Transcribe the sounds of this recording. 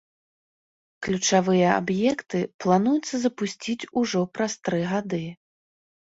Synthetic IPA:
klʲut͡ʂavɨjɐa̰bjɛkt̪ɨplˠanujut̪sːɐzɐpusʲt͡sʲit͡sʲuʐɔpɾɐst̪ɾɨɣad̪ɨ

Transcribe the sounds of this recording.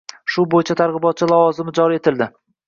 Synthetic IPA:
ʃʊbojɪt͡ʃʰat̪ʰaɾʁɨbɒt̪̚t͡ʃʰɪlavɒzɪmɪd͡ʒɒɾie̞t̪ʰɪld̪ɪ

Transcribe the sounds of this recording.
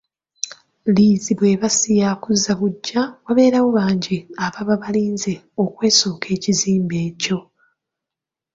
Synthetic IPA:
liːziβwe̞ːβasijakuzːaβuɟːawaβe̞ːɾawoβaːɲɟiaβaβaβaliːnze | okwe̞ːso̞ːkʰe̞ːciziːmbe̞ːco̞

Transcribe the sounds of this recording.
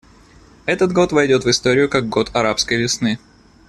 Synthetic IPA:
ɛt̪ət̪ɡo̞t̪vɐjdʲo̞t̪vɨst̪o̞ɾʲɪjʊkak̚ɡo̞t̪ɐɾapskəjvʲɪsnɨ

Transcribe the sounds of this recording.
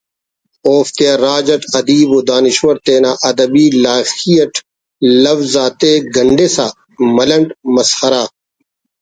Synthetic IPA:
oːft̪ejaɾaːd͡ʑɐʈɐd̪iːboːd̪aːniʃwɐɾt̪eːnaːʔɐd̪ɐbiːlaːxijɐʈ | lɐfzaːt̪eːɡɐɳɖeːsaː | mɐlɐɳʈmɐshɐɾaː

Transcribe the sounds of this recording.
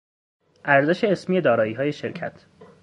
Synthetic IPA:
ʔæɾzeʃe̞ːsmiːjed̪ɒːɾɒːiːɦɒːje̞ʃeɾcʰæ̰t̪ʰ

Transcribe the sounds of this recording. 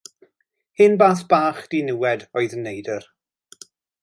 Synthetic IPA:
hɨnbaːθb̥aːχd̥inɪwɛdɔɨðənːejdər

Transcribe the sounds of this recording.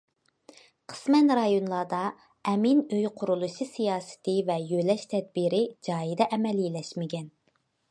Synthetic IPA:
qʰə̥smɛnɾɑjonlˠɑd̪ɑ | ɛminøjqʰʊɾulˠuʃisijɑːsɪ̥t̪ʰɪvɛjølɛʃt̪ʰɛd̪̚biɾɪd͡ʒɑːjid̪ɛʔɛmɛlilɛʃmɪɡʲɛn

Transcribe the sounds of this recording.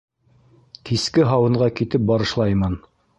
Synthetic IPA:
kiskɘɦɑwɤ̆ɴɢɑkit̪ɘp̚bɑɾɤ̆ʃlˠɑjmɑn

